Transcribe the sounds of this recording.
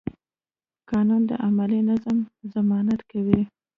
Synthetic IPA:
kɑnɑnd̪ə̰ʔamalinazamzamɑnat̪kawi

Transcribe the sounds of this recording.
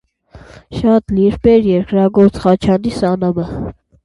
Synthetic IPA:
ʃɑt̪liɾpɛɾjɛɾkɾɑɡɔɾt͡sχɑt͡ʃʰɑnisɑnɑmə

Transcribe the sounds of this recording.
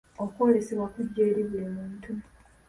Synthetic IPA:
okwo̞ːlesiβwakuɟːe̞ːɾiβweːmuːntʰu

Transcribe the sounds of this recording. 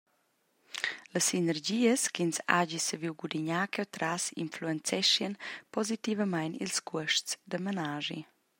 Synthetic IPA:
ləsinəɾɟiːəskinsa̰ɟisəviwɡud̪iɲakɛwt̪ɾasḭnfluɛnt͡sɛʃiənpɔzit̪ivəmajnḭlskuəʃtt͡sd̪əmənaʒḭ

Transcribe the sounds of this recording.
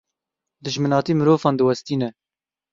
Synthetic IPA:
d̪ɨʒmɨnɑːt̪iːmɨɾoːvɑːnd̪ɨwɛst̪iːnɛ

